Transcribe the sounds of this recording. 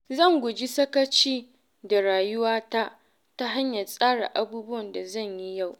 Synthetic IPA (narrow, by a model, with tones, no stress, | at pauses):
zɐ˦˨ŋɡʷʊ˨d͡ʒi˦sɐ˦kɐ˦t͡ʃiː˦ | da˨ɽaː˨jʊ˦waː˦ta˦ʔ | ta˦ɦa˦ɲja˨sʼaː˦ɽa̰˨ʔa˦buː˦bʊ˦wɐ˨nda˨zɐ˦˨ɲji˦ja˦˨w